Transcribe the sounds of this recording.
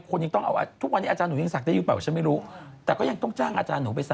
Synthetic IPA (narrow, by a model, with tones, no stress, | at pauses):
kʰo˧nja˧ŋt̪ɔ˥˩ŋʔa̰˧wʔa̰˧t̪ʰu˦˥k̚wa˧nːiː˦˥aː˧t͡ɕaː˧nu˩˦i˧sa˨˩k̚daː˥˩jɯː˧pa˨˩t͡ɕʰa˦˥nma˥˩ɾuː˦˥t̪ɛː˨˩kɔː˥˩ja˧ŋt̪ɔ˥˩ŋt͡ɕaː˥˩ŋʔa̰ː˧t͡ɕaː˧nːuː˩˦p̬a˧jsa˨